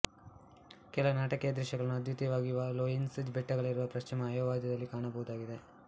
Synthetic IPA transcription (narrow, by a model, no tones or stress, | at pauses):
kɛlɐʋunaːʈɐkejɐd̪ɾɛʃjɐɡɐɭnːuɐd̪jit̪ijɐʋaːɡijuʋɐloːjinsid͡ʒbɛʈːɐɡɐɭiɾuʋɐpɾɐʃt͡ʃimɐːjoːʋaːd̪ʱjɐd̪ɐlːikaːɳɐbɐɦud̪aːɡid̪e̞